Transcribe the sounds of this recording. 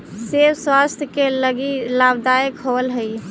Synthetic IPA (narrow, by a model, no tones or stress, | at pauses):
sebswast̪ʰjəkeləɡilabd̪aəkɦoəlɦəj